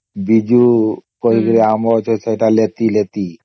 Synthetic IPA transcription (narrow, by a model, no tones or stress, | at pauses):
bid͡ʒukoɾiɡɾeamot͡ʃʰosʰejʈalet̪ilet̪i